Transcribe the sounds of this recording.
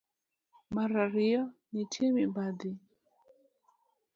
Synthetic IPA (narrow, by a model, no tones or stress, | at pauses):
maɾaɾiɔnitʰemibad̪i